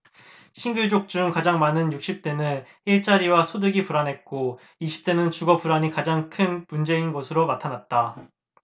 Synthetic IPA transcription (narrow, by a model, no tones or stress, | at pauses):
ɕʰiŋɡɯɭd͡ʑok̚t͡ɕ͈uŋkad͡ʑaŋmanɯnjuk̚ɕ͈ip̚t͈e̞nɯn | iɭt͡ɕ͈aɾiwasʰodɯɡipuɾanɦe̞t̚k͈o | iɕʰi̥p̚t͈e̞nɯnt͡ɕuɡʌpuɾaɲikad͡ʑaŋkʰɯnmund͡ʑe̞inɡʌsʰɯɾonatʰanat̚t͈a